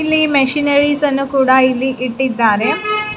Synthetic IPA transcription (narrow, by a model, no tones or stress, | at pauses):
ilːimeʂinɐɾisɐnːukuːɽailːiʔiʈːid̪ːaːɾe